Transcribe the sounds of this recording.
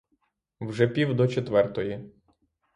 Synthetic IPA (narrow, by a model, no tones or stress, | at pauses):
wʒɛpʲiwd̪ɔt͡ʃet̪ʋɛrt̪ɔji